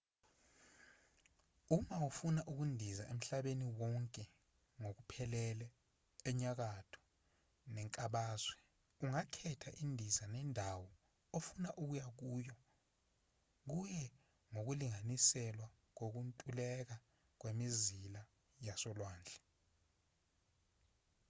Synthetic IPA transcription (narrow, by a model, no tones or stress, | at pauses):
umawufunaʔuk̬undʱizaʔem̩ɬaɓeniwɔŋkʼɛ | ŋok̬upʰɛlɛlɛː | ɲak̬atʰɔ̥ | nɛŋkʼaɓaːzwɛ | uŋakʰɛtʰaʔindʱizanɛndʱawɔ | ofunaʔuk̬ujak̬uːjɔ | k̬ujɛ | ŋok̬uliŋanisɛlwa | k̬ok̬untʼulɛk̬a | k̬wemizila | jasɔlwaːnd͡ɮʱɛ